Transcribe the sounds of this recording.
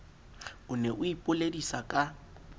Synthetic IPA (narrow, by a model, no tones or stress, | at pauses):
ʊnɛʔʊipʼʊledisakʼa